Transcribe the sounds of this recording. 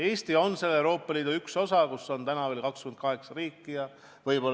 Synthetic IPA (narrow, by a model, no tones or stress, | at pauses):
e̞ːst̪io̞nse̞lːewɾo̞ːpːˑɑliːd̪uykso̞sɑkusːo̞nt̪ænɑve̞lkɑkskymend̪̚kɑɦe̞ksɑriːkːijɑ | vɤjbo̞l